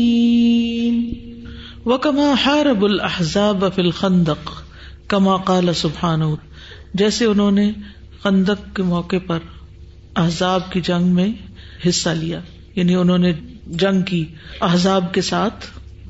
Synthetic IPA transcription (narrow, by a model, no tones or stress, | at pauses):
n | wɐkɐmaːħaːɾɐbʊlɐhzaːbfiːlxɐ̃nd̪əq | kɐmaːqɑːlɐsʊbħaːnɦu | d͡ʒɛːseʊnɦõːne | xɐ̃nd̪əq̚kemɔːqepɐɾ | ɐɦzaːb̚kid͡ʒɐ̃ŋɡmẽ | ɦɪsːalijaː | jaːniʊnɦõːned͡ʒɐ̃ŋɡkiɐɦzaːbkesaːt̪ʰ